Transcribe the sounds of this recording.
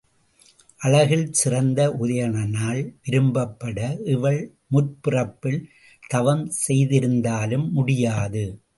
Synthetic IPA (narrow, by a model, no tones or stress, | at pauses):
ʔɐlɐɣɪɭsɪrɐnd̪ɐʔʊðɐjɐɳɐnaːlʋɪɾɯmbɐpːɐɽɐʔɪʋɐɭ | mʊrpɪrɐpːɪl | t̪ɐʋɐmsɛjðɪɾɯnd̪aːlɯmːʊɽɪjaːðɯ